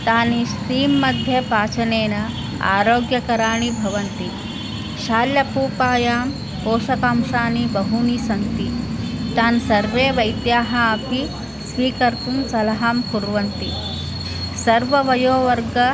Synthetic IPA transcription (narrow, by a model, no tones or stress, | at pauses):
t̪aːniʃɾiːmːɐd̪ʱjɐpaːt͡ʃɐneːnɐ | a̰ːɾoːɡjɐkɐɾaːɳibʱɐʋɐnt̪i | ʃaːljɐpuːpaːjaːm | poːʃɐkaːmʃaːnibɐɦunisɐnt̪it̪aːnsɐɾʋeːʋɐjt̪jaːɦɐɐpʰi | sʋiːkɐɾt̪umsɐlɐɦaːmkuɾʋɐnt̪i | sɐɾʋɐʋɐjoːʋɐɾɡɐ